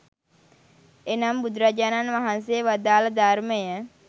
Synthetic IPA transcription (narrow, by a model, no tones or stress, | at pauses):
enambud̪ɾad͡ʒananʋaɦansejəʋad̪aːləd̪aɾməjə